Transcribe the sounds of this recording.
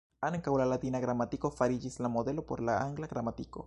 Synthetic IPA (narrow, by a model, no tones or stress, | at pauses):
aneŋkawlalat̪inaɣɾamat̪ikofaɾid͡ʒislamoðelopoɾlaaŋɡlaɣɾamat̪iko̰